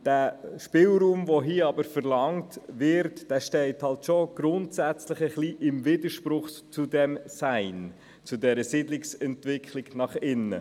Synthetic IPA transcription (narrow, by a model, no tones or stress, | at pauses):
d̥æːʃpɪlɾuːmvɔɦiːɑbəɾfəɾlɑŋtʋɪɾtd̥æːʃtɛɪthɑltʃoɡ̥ɾʊntsæt͡sləχəχliʔɪmvɪdəʃpɾʊχt͡sudɛmsæɪn | t͡sʊdɛɾəsɪdlɪksɛntvɪkʰχlɪɡ̥nɑχɪnːə̰